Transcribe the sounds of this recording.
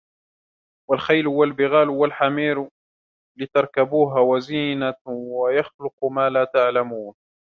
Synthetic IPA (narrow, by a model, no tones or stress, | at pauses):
walxajlʊwalbɪɣaːlwalħamiːɾ | lɪt̪ɑɾˤkabuːɦawaziːnawajɑxlʊqmaːlaːt̪aʕlamuːn